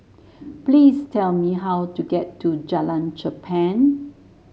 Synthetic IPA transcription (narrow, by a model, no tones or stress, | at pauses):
plistʰɛlmiɦawtuɡɛtʰːud͡ʒalãnd͡ʒəpʰɛ̃n